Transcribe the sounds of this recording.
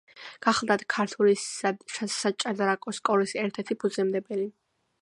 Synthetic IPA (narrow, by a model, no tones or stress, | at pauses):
ɡ̥aχlˠd̪at̪ʰkʰaɾt̪ʰuliʃasat͡ʃʼad̪aɾakʼɔskʼɔlisɛɾt̪ʰɛɾt̪ʰipʰud̪zɛmd̪ɛbɛli